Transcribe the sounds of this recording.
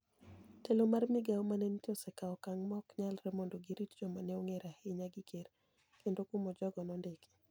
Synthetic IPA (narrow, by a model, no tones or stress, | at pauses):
telomarmɪɡaomanɛntɔsɛkaɔkaŋmɔkɲalɾɛmondoɡiɾitd͡ʒɔmanɛoŋeɾaheɲaɡiker | kendokumɔd͡ʒɔɡɔnɔndeke̥